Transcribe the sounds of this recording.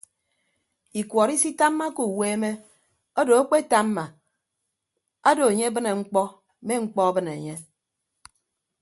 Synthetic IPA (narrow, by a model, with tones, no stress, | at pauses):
i˨kʷwɔ˨ɾi˦si˦ta˦mːa˦ko˨we˦me˦ | o˦do˨a˦k͡pe˦ta˦mːa˨ | a˦do˨e˨ɲe˦bɨ˦ne˨ŋ͡m̩˦k͡pɔ˦ | me˦ŋ͡m̩˦k͡pɔ˦a˦bɨ˦ne˨ɲe˦